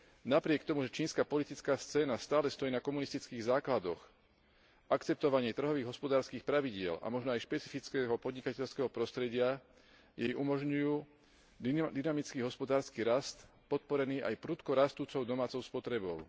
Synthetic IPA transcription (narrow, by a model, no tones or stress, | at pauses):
napɾɪɛkt̪ɔmuʒɛt͡ʃiːnskaːpɔlit̪it͡skaːst͡sɛːnast̪aːlɛst̪ɔjiːnakɔmunist̪it͡skiːɣzaːklad̪ɔ̰x | ʔakt͡sɛp̚t̪ɔʋaɲɪɛt̪r̩ɦɔʋiːɣɦɔspɔd̪aːɾskiːxpɾaʋiɟɪɛla̰mɔʒnɔajʃpɛt͡si̥fit͡skɛɦɔpɔd̪ɲikacɛʎskɛɦɔpɾɔst̪ɾɛɟɪa | jɛjʔumɔʒɲujuː | d̪inamit͡skiːɦɔspɔd̪aːɾskiːɾast̪pɔt̪̚pɔɾɛniːʔa̰jpɾuːt̪kɔɾast̪uːt͡sɔʊd̪ɔmaːt͡sɔʊspɔt̪ɾɛbɔʊ